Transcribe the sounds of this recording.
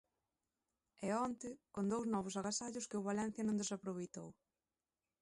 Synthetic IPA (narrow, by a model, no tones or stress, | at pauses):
ɛɔnt̪ɪkond̪owznɔβ̞ʊs̬aɣasaʎʊskɪʊβalɛ̃n̟θjɐnõŋd̪esapɾoβejt̪ow